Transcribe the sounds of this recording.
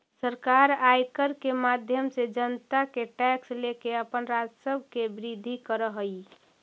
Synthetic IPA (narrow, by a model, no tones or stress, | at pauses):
səɾkaɾajkəɾkemad̪ʱjəmsed͡ʒənt̪akeʈɛkslekeəpənɾad͡ʒsəbʱkebɾid̪ʱːikəɾəɦəi